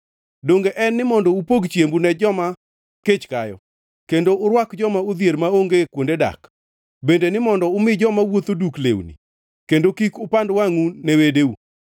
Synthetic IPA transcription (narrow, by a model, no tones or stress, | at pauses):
doŋɡeʔɛnːɪmɔndɔupoɡt͡ʃjembunɛd͡ʒɔma | ket͡ʃkajɔ̰ | kendoʊɾwakd͡ʒɔmaʊd̪jeɾmaoŋɡekwondeda̰k | bendenɪmɔndɔʊmɪd͡ʒɔmawot̪oduklḛwnḭ | kendokikʊpandwaŋunewedeu